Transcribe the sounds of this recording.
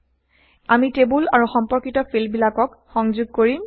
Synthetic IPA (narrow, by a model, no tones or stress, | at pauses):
amitebulaɹuxɔmpɔɹkitɔfʰilbilakɔk | xɔŋzʊɡ̚koɹi